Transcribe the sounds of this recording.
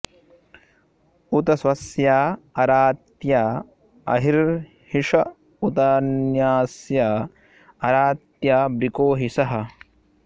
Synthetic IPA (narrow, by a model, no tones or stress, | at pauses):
ut̪ɐsʋɐsjaːɐɾaːt̪jaː | ɐ̰ɦiɾ | hiʂɐ | ut̪ɐnjaːsjaː | ɐɾaːt̪jaːbɾikoːɦisɐɦɐ̆